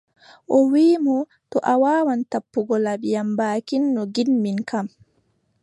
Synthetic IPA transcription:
ʔɔwiːmɔ | tɔʔawaːwantapːuɡɔlabijambaːkinːɔɡinːinkam

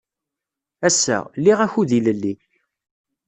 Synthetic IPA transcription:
æsːæ̰lːiʁæçuðiləlːi

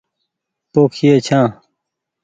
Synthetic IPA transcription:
poːkʰjeːt͡ɕʰãː

